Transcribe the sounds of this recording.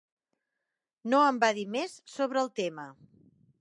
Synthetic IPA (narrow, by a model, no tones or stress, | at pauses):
noəmbaðimessoβ̞ɾəːlˠt̪emə